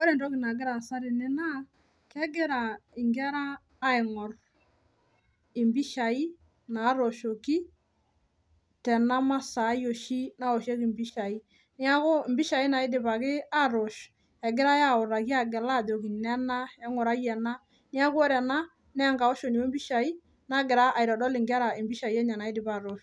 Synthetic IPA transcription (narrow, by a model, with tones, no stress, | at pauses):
ɔ˦ɾɛ˨ndɔ˦ki˨na˨ɡɪ˦ɾa˨sa˦ɾɪ˨nɛ˦na˦˨ | kɛ˦ɡɪ˦ɾa˨ɪ˨ŋɡɛ˦ɾaː˦ | ɪ˨ŋɔ˨r | ɪ˨mbi˦ʃa˨i˦ | na˨˦ɾɔ˨ʃo˨ki˦ | tɛ˨na˦ma˦sa˨˦jo˨ʃi˦na˦ɔ˨ʃɛ˦ki˨mbi˦ʃa˨i˦ | nɪ˦a˦ko˦˨mbɪ˦ʃa˨i˦na˨ɪ˦dɪ˨ba˨kɪ˦a˦ɾo˨ʃ | ɛ˨ɡɪ˦ɾa˦ja˦ʊ˨ɾa˨ki˦a˦˨ɡɛ˨la˦˨do˨ki˨nɛ˦na˦ɛ˦ŋɔ˨ɾa˦jɛ˨na˦ | ni˦a˦kɔ˦ɾɛ˨na˦ | nɛ˦ŋɡa˨ɔ˦ʃo˨ni˨wo˦mbi˦ʃa˨i˦ | na˦ɡɪ˨ɾa˦ʔa˨ɪ˨ɾɔ˨dɔ˦lɪ˨ŋɡa˦ɾa˨ɪ˨mbi˦ʃa˨i˦ɛ˦ɲa˨na˨ɪ˦dɪ˨ba˦˨ɾo˨ʃ